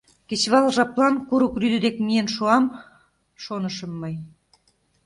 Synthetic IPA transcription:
kĕt͡ɕβɑlʒɑplˠɑnkuɾukryd̪ə̆d̪ekmijenʃuɑm | ʃonə̆ʃɤ̆mːɤj

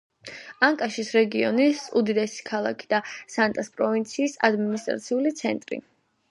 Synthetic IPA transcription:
aŋkʼaʃisɾɛɡiɔnisud̪id̪ɛsi̥kʰalˠa̰kʰi̥d̪asant̪ʼaspʼɾɔvint̪sʰiːsa̰d̪minist̪ʼɾa̰t̪sʰiulit̪sʰɛnt̪ʼɾḭ

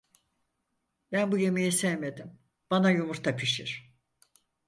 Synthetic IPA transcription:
bænbuje̞mejisɛjme̞d̪im | b̥anajumuɾt̪ʰapʰiʃiɾ̥

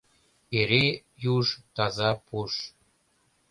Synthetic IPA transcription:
eɾejuʃt̪ɑzɑpʰuʃ

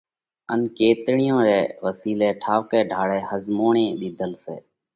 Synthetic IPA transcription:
ənkeːt̪ɳɪjõːɾɛːʋəsiːleːʈʰaːʋkeːɖʱaːɽɛːhəzmoːɳẽːɗ̪iːd̪əlsḛː

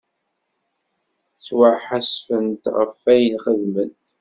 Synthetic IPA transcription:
swəʕħasfənt̪ʁə̰fːæjənχəðmənt̪

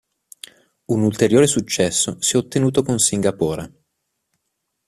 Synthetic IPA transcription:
unult̪eɾjoːɾesut͡ʃːɛsːosiɛot̪ːenuːt̪okonsiŋɡapoːɾa

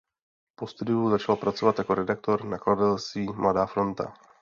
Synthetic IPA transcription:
po̞st̪udɪjuzat͡ʃalpɾat͡so̞vat̪jako̞ɾɛdak̚t̪o̞ɾnakladat̪ɛlst̪viːmladaːfɾo̞nt̪a̰

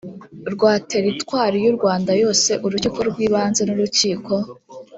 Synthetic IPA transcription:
ɾɡwaːte̞ɾitwaːɾijuɾɡwaːndajo̞ːse̞ʔuɾucikoɾɡwiːβaːnze̞nuɾuciːko̞

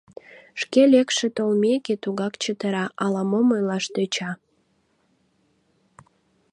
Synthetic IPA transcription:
ʃkelekʃet̪olmeket̪uɣɑkt͡ɕət̪əɾɑʔɑlɑmoməjlɑʃt̪øt͡ɕɑ

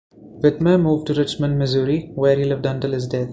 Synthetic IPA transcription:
ʋɪt̪məmuːʋɖʈuɾɪt͡ʃmə̃nɖmɪzuːɾiʋeːɾhiːlɪʋɖʌ̃ɳʈɪlhɪzɖɛt̪

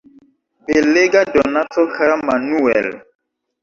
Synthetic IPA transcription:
peleɡadɔnatokaɾamanuɛ̰l

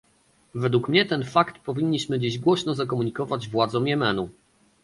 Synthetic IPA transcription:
vɛd̪wukmɲɛt̪ɛnfakt̪pɔvʲiɲʲːiɕmɘd͡ʑiʑɡwɔɕnɔzakɔmuɲikɔvad͡ʑvwad̪zɔ̃mjɛmɛnu

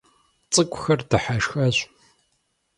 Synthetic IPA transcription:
t͡sʼɨkʷʼxɐrdɨħaʃxɐʑʷ

